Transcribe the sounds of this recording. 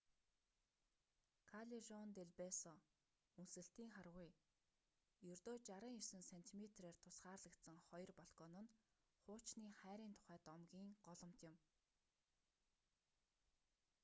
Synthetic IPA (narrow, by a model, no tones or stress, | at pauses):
kʰaɮiʒɔnt̪eɮpesɔ | unsɘ̆ɬt̪iːŋχarʁʊj | jɵrt̪oːt͡ɕaɾə̆ːŋersɘ̆nsen̥t̪ʰimʲet̪reːrt̪ʰʊ̥sχaːrɮə̆kt̪sə̆ŋχɔjrpɔɮɡɔːnə̆n | χʊːt͡ɕniːχæːɾiːnt̪ʰʊ̥χæːt̪ɔmɡʲiːŋɢɔɮɞ̆m̥t̪jɪ̆m